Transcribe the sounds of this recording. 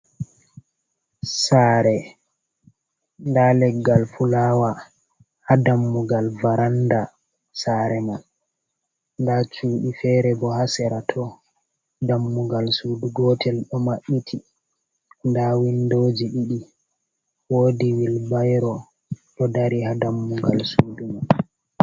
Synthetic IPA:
saːɾɛ | ndalɛɡːalfulaːwa | hadamːuɡalvaɾanda | saːɾɛman | ndat͡ʃuːɗifɛɾɛbɔhasɛɾatʰɔ | damːuɡalsuduɡɔtʰɛlɗɔmaɓːitʰi | ndawindod͡ʒiɗiɗi | woːdiwilbajɾɔ | ɗɔdaɾihadamːuɡalsuːduman

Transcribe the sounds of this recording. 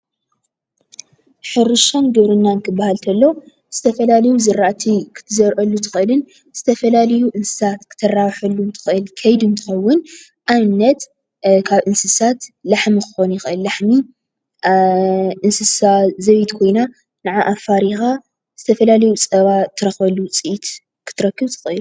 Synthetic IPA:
ħɨɾɨʃanɡɨβɾɨnːankʰɨbːahalt̪ʰɐlːo | z̥ɨt̪ʰɐfɐlalɐjuzɨɾːaʔt̪ʰikʰɨ̥t̪ʰɨzɐɾʔɐlːut̪ʰɨ̥xʔɨlɨn | z̥ɨt̪ʰɐfɐlalɐjuʔɨnsɨ̥sat̪kʰɨ̥t̪ʰːɐrawħɐlːunt̪ʰɨ̥xɨʔɨlkʰɐjd̪ɨnt̪ʰɨ̥xɐwːʊn | ʔanːɐt̪ | kʰaβʔɨnsɨsat̪laħmikɨ̥xo̞njɪxʔɨlːaħmi | ʔɨnsɨsazɐβit̪kʰo̞jna | nɨʕaʔafaɾixa | z̥ɨt̪ʰɐfɐlalɐjut͡sʼɐβat̪ʰːɨɾɐxbɐlːut͡sʼɨʔit̪ | kʰɨ̥t̪ʰːɨɾɐkːɨβt̪ʰɨ̥xɨʔɨlu

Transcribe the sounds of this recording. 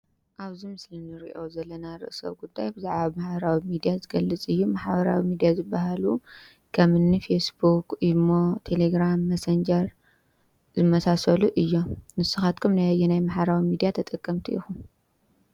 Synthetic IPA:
ʔaβzimɨslinːɨɾiʔo̞zɐlːɐnaɾɨ̰ʔsɐ̰βɡud̪ːajbɨzaʕβamaħbɐɾawimid̪ijazɨɡɐlːɨt͡sʼɨjːumaħbɐɾa̰wimid̪ijazɨbːahalu | kʰɐmɨnːifesbukʔimot̪ʰe̞leɡɾamːɐsɐnd͡ʒɐɾ | zɨmɐsasɐluʔɨjːonɨsːɨxat̪̚kʰumnajajːɛnajmaħbɐɾawimid̪ijat̪ʰɐt̪ʼɨkʼːɐmt̪ʰiʔḭxu

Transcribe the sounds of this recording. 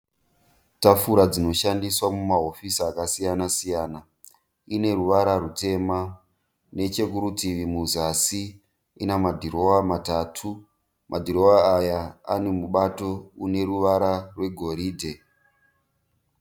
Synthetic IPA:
tafuɾad͡zino̞ʃandiswamumaɦo̞fisiakasijanasijaːna | ine̞ruʋaɾarute̞ma | ne̞t͡ʃe̞kuɾutiʋimuzasi | inamadʱiɾo̞wamatatʰu | mʔadʱiɾo̞waːja̰ːne̞muɓato̞une̞ruʋaɾarwe̞ɡʱo̞ɾiːdʱe̞

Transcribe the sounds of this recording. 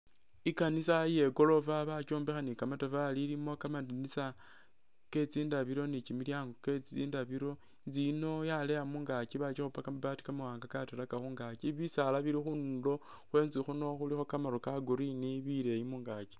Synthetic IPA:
ikanisaje̞ɡo̞lo̞vaβat͡ʃoːmbexanikamatavaliɾimo̞kamadanisa | ke̞t͡siːndaβiɾo̞nit͡ʃimiljaːŋɡoket͡siːndaβiɾo̞ | nzino̞jalejamuŋɡakiβat͡ʃixupakamaβati̥kamawaːŋɡakatelakaxuːŋɡakiβisalaβiɾixundo̞ | xwe̞ːnzixuno̞xulixo̞kamaɾokaɡuɾiniβile̞jimuŋɡaki̥

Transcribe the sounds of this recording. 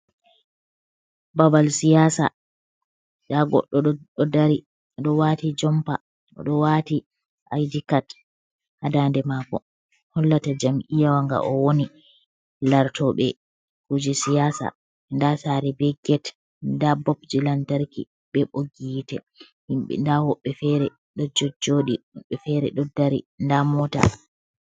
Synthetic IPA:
babalsijasa̰ | daɡɔ̰ɗːɔɗɔɗɔdaɾi | ɗɔwaːtid͡ʒɔmpa̰ | ʔɔ̰ɗɔwati | ʔa̰jdikat | hadandɛmaːkɔ̰ | hɔlːatad͡ʒamʔijawaŋɡa̰ʔɔwoni | laɾtɔɓɛ | kud͡ʒisijaːsa̰ | ndasaːɾɛbɛɡɛt | ndabɔpd͡ʒilantaɾkḭ | ɓɛɓoɡitɛ | hiɓɛ̰ndahɔɓːɛfɛɾɛ | ɗɔd͡ʒɔd͡ʒːoɗihɓɛfɛɾɛ̰ɗɔdaɾḭndamɔta̰

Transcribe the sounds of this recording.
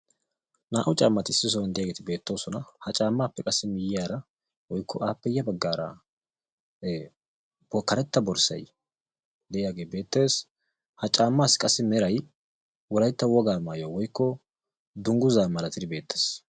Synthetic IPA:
naːʔʊt͡ʃʼaːmːɐt̪ɪɪsːɪs̬ɔnd̪ɛjaːɡeːt̪ɪbe̞ːt̪ːo̞ːsɔnɐhɐt͡ʃʼaːmːaːpːɛkʼɐsːɪmɪjɪjaːɾɐ | wɔjkːɔʔaːpːɛjːɐbɐɡːaːɾɐ̰ | b̥ɔkːɐɾɛt̪ːɐbɔɾsɐ̰j | d̪ɛʔɪjaːɡeːbe̞ːt̪ːe̞ːs | hɐt͡ʃʼaːmːaːskʼɐsːɪmɛɾɐj | wɔlɐjt̪ːɐwɔɡaːmaːjowɔjkːɔ | d̪ʊŋɡʊzaːmɐlɐt̪ɪd̪ɪbe̞ːt̪ʰːe̥ːs

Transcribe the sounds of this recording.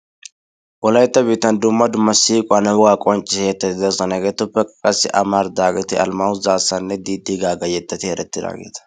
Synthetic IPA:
ʔɔlɐjt̪ːɐbiːt̪ːɐnd̪ʊmːɐd̪ʊmːɐsiːkʼʊɐnɐbʊɡaːkʼɔnt͡ʃʼːɪɛjɛt̪ːɐt̪ɪd̪ɛsɔnɐɡeːt̪ːʊpːɛkkʼɐsːɪʔɐmaɾd̪aːɡɛt̪ɪɐ̰lmɐʊzaːsːɐnːɛd̪iːd̪ɪɡaːɡɐjɛt̪ːɐt̪ɪhɛɾʔɛt̪ːɪd̪a̰ːɡḛːt̪ɐ̥

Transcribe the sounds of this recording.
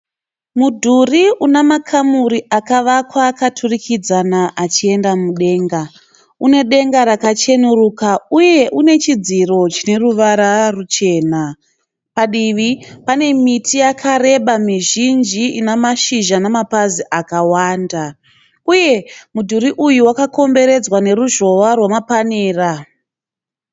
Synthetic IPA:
mudʱuriunamakʰamuɾiakaʋakwakatʰurikid͡zanaʔat͡ʃie̞ndamuɗe̞ːŋɡa | une̞ɗe̞ŋɡaɾakat͡ʃe̞nuruːkauje̞ʔune̞t͡ʃid͡ziro̞t͡ʃine̞ruʋaɾarut͡ʃe̞ːna | paɗiʋipane̞mitʰijakʰaɾe̞ɓamiʒind͡ʒiinamaʃiʒanamapaziʔakawaːnda | uje̞mudʱuɾiʔujuwakako̞mbe̞ɾe̞d͡zwane̞ɾuʒo̞ʋarwamapaneːra

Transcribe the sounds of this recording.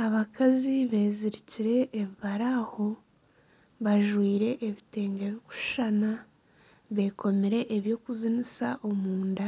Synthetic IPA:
aβakʰaziβe̞ːziɾiciɾe̞ʔːβiβaɾaho̞ | βaʒwiːɾe̞ʔeβite̞ːŋɡeβjoku̥ʃana | βe̞ːkʰo̞meɾe̞ʔːβjo̞ːkuzinisaʔomuːnda

